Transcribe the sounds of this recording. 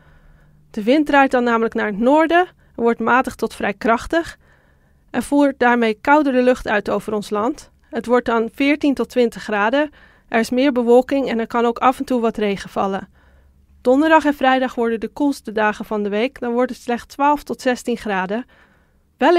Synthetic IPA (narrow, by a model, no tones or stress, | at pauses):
d̥əʋɪntrɛjt̚dɑnːaːmələknaːɹɦətnoːɹdə | ɛɹʋɔɹtmaːtəχtɔtfrɛjkrɑχtəχ | ʔɛnvuːɹt̚daːɹmejkʌwdərəlɵχtœɥtowvərɔnslɑnt | ɦətʋɔɹt̚dɑnvɪːɹtintɔtʋɪntəχːraːdə | ʔɛɹɪsmɪːɹbəʋɔlˠkɪŋɛnɛɹkɑnowkɑfɛntuʋɑtrejχəv̥ɑ̰lən | d̥ɔndəɹdɑχɛnvrɛjdɑχʋɔɹdədəkɔlˠstədaːχəvɑndəʋejkdɑnʋɔɹtətslɛχtstʋaːlˠftɔtsɛstinχraːdə | ʋɛl